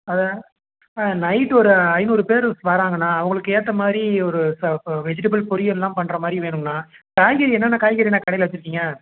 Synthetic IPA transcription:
ɐðɐ | nɐɪʈːɯɔɾɯɐɪnuːɾɯpeːɾsʋaːɾaːŋɡɐnːaːɐʋɐŋɡɐɭɯkːɯeːɾɐt̪ːɐmaːðɾiɔɾɯsɐʋɛd͡ʒɪʈɐbɐlpɔɾɪjɐɛlːãːmpɐnɳːɯɾɐmaːd̪ɾiʋeːɳɯŋɐnaːkaːjɣɐɾiɛnːɐnːaːkaːjɣɐːɾiɛnːaːkɐɽɐjɪlɐʋɐt͡ʃːɯɾɯkːiːŋɡɐ

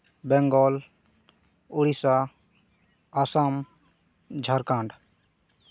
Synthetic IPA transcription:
bɛŋɡɔːl | ʊɽisa | asaːm | d͡ʒʱəɾkãːɳɖ

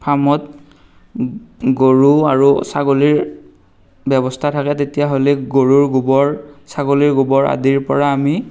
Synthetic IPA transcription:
pʰamɔt | ɡoɹuaɹusaɡoliɹ | bɛbɔstʰatʰakɛtetijaɦolɛɡoɹuɹɡubɔɹsaɡoliɹɡubɔɹa̰diɹpɔɹaːmi

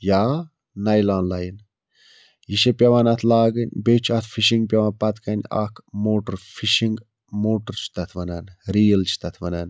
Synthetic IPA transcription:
jaː | nɐjlaːnlajn | jiʃepʲɐʋanɐt̪ʰlaːɡɐnʲbet͡ʃʰɐt̪ʰfʰiʃiŋɡ̚pʲɐʋaːnpɐt̪kɐnʲɐ̰kʰmoːʈəɾfʰiʃiŋɡ | moːʈəɾt͡ʃʰi̥t̪ɐt̪ʰʋɐnɐnɾiːlt͡ʃʰi̥t̪ɐt̪ʰʋɐnɐn

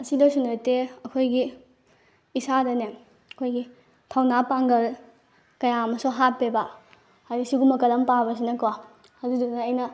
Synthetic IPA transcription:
ɐsidɐsunɐteɐkʰojɡiː | sadɐne | ɐkʰojɡi | tʰawnapaŋɡɐl | kɐjaɐmɐsoɦapːeba | haɾisiɡumɐkɐlɐmpabɐs̬inɐkwa | hɐzudunɐɐjnɐ

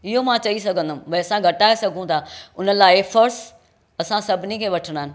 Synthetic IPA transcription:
ɪɦomãt͡ɕɐis̬ɐɡʱə̃nd̪ʊm̃ʋɐɐsãɡʱɐʈaːesɐɡʱũt̪ʰaːʊnəlaːɪfʰɐɾs | ɐsãsɐbʱɪnikʰeːʋɐʈʰəɽ̃aːɦɪnɪ̆

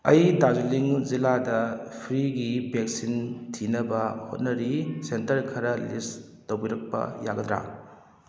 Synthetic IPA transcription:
ɐjdazuliŋziladɐpʰɾiɡibek̚sintʰinɐbɐhot̚nɐɾisentɐɾkʰɐɾɐlis | towbiɾɐk̚pɐ̰jaɡɐdɾa̰ŋ

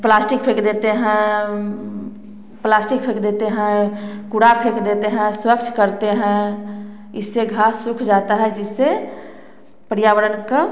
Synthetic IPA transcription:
plasʈik̚pʰekd̪et̪eɦɛ̃ | plasʈik̚pʰekd̪et̪eɦɛ̃kuɽapʰekd̪et̪eɦɛ̃swəkt͡ʃʰkəɾt̪eɦɛ̃ | isːeɡʱasːukʰd͡ʒat̪aɦɛd͡ʒise | pəɾjaʋəɾənke

